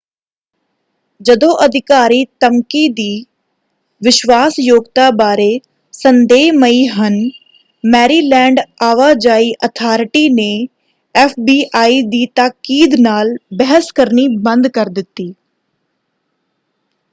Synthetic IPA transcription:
d͡ʒəd̪õːʔəd̪ʱɪkaːɾiːt̪əmkiːd̪iː | ʋɪʃʋaːsjoːɡt̪aːbaːɾeː | sənd̪eːɦməiɦən | mɛːɾiːlɛ̃ːɳɖaːʋaːd͡ʒaːiːʔət̪ʰaːɾɪʈiːneː | ɛːfʰbiːʔaːiːd̪iːt̪akiːd̪naːlbɛɦəskəɾniːbə̃nd̪kəɾd̪ɪt̪ːiː

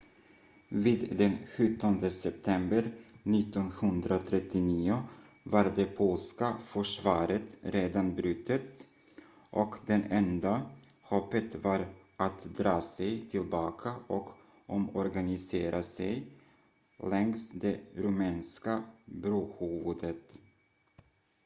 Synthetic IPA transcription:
viːd̪d̪ɛnɧɵt̪ːɔnd̪əsɛp̚t̪ʰɛmbəɾnɪt̪ːɔnhɵnd̪ɾat̪ʰɾɛt̪ːɪniːʊ | vaɾd̪ɛpʰoːlskafœʂvɑːɾət̪ɾeːd̪anbɾʉt̪ʰːət̪ | ʔɔkd̪ɛnɛnd̪a | hɔpːət̪vaɾʔat̪d̪ɾɑːsɛjt̪ʰɪlbɑːkʰaʔɔk | ɔmɔɾɡanɪseːɾʔasɛj | lɛŋsd̪ɛɾʊmɛːnskabɾoːhuːvʊd̪ət̪

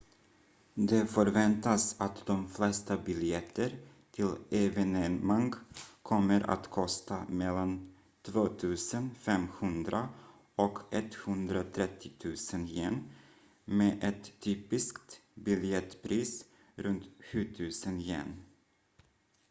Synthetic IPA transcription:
d̪ɛfœɾvɛnt̪asat̪d̪ɔmflɛst̪abʏljɛt̪ʰːəɾ | t̪ʰɪlɛvɛnɛmaŋɡkʰɔmːəɾʔa̰t̪kʰɔst̪amɛlːan | t̪ʰvoːt̪ʰʉ̟ːsənfɛmhɵnd̪ɾa | ɔkʰɛt̪ːhɵnd̪ɾat̪ʰɾɛt̪ʰːɪt̪ʰʉ̟ːsənjɛn | meːʔɛt̪ʰːyːpɪskt̪bʏljɛt̪pʰɾiːs | ɾɵnt̪ɧʉ̟ːt̪ʰʉ̟ːsənjɛ̰n

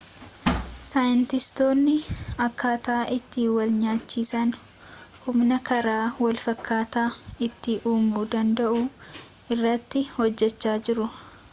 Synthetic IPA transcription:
sajɪnt̪ɪst̪o̞ːnːɪɐkːaːt̪ːʔɪt̪ːiːwɐlɲaːt͡ʃːiːsɐn | hʊmnɐkɐɾaːwɐlfɐkːaːt̪aːɪt̪ːɪʔuːmbuːd̪ɐnd̪ɐʔuː | ɪrːɐt̪ːɪhɔd͡ʒːɛt͡ʃːaːd͡ʒɪɾʊ

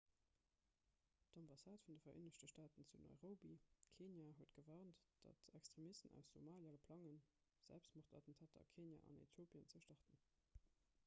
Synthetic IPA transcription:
d̥ɑmbɑsaːtfundəfɐʔḛːnəɕtəʃtaːtənt͡sunɔ̰ʏʁoːbikʰeːnjaːɦuət̚ɡ̥əvaːʁntd̥ɑ̰tʰækstʁ̥emistənæ̰ʊszomaːljaləpʰlɑŋən | z̥æ̰lpstmoχtɑtən̩tʰaːtʰɐ̰kʰeːnja̰ʔɑ̰nḛtʰjoːpʰiənt͡səʃtɑʁtən

